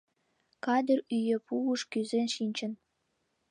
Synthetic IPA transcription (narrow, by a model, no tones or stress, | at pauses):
kɑd̪ə̆ryjĕpuuʃkyzenʃinʲt͡ɕə̆n